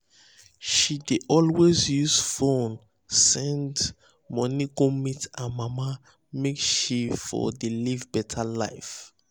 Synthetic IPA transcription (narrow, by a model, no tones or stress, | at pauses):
ʃideʔɔlwezjuzfõn | sɛ̃nd | mɔniɡõmitãmama | mekʃifɔ̰delivbɛtʰala̰ɪf